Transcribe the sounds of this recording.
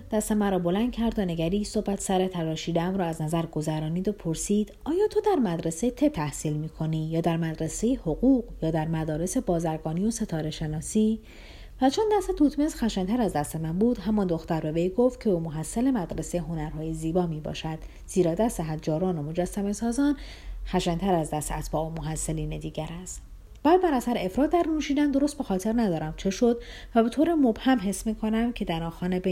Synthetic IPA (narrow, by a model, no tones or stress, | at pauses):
d̪̥æst̪e̞mænɾɒːbo̞læn̚cʰæɾd̪one̞ɡæɾiːso̞hbæt̪ʰsæɾet̪ʰæɾɒːʃiːd̪eæmɾɒːæznæzæɾɡo̞zæɾɒːniːd̪opʰoɾsiːd̪̥ɒːjɒːt̪ʰod̪æɾmæd̪ɾeset̪ʰe̞t̪ʰæhsiːlmiːkʰo̞niːjɒːd̪æɾmæd̪ɾese̞jehoɣuːqjɒːd̪æɾmæd̪ɒːɾe̞se̞bɒːzæɾɡɒːnijo̞se̞t̪ʰɒːɾe̞ʃe̞nɒːsiː | væt͡ʃʰond̪æst̪et̪ʰuːt̪ʰme̞zxæʃent̪ʰæɾæzd̪æst̪e̞mænbuːd̪ɦæmɒnd̪o̞xt̪æɾbe̞vejɡo̞ft̪̚cʰebomoɦæsːæle̞mæd̪ɾeseɦo̞næɾɦɒːjeziːbɒːmiːbɒ̰ːʃæd̪̥ | z̥iːɾɒːd̪æst̪eɦæd̪d͡ʒɒːɾɒːnomo̞d͡ʒæsːæme̞sɒːzɒːn | xæʃænt̪ʰæɾæzd̪æst̪ḛæt̪ʰbɒːʔomoɦæsːeliːne̞d̪iːɟæɾæst̪ | bæːd̪̚bæɾæsæɾeefɾɒːt̪̚ʰd̪æɾnuːʃiːd̪ænd̪o̞ɾost̪̚be̞xɒːt̪ʰe̞ɾnæd̪ɒːɾæmt͡ʃʰe̞ʃod̪væbe̞t̪ʰoːɾemobhæmɦe̞smiːkʰo̞næmcʰe̞d̪æɾɒːxɒːnebe